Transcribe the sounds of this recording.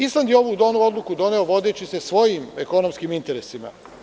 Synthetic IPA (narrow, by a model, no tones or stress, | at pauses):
islˠand̪jeo̞ʋud̪o̞nuo̞d̪lˠukud̪o̞ne̞o̞ʋo̞d̪et͡ɕise̞sʋo̞jiːmeko̞no̞mskiːmint̪e̞ɾesima̰